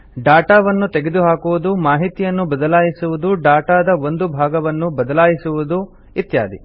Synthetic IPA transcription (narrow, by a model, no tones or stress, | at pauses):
ɖaːʈaːʋɐnːut̪eɡed̪uɦaːkuʋud̪umaːɦit̪ijɐnːubɐd̪ɐlaːjisuʋud̪uɖaːʈaːd̪ɐond̪ubʱaːɡɐʋɐnːubɐd̪ɐlaːjisuʋud̪u | it̪ja̰ːd̪i